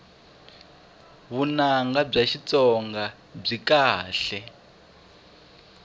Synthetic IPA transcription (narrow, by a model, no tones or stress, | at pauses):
βunaŋɡab͡ʐaʃit͡sɔŋɡa | b͡ʐikaːɬɛ